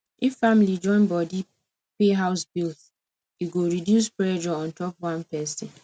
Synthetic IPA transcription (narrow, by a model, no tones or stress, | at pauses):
iffamlid͡ʒɔ̃ɪ̃nbɔdi | peɦaʊsbilt | iɡoɾidjuspɹɛd͡ʒɔɔ̃n̩tɔpwãnpɛsɪ̃n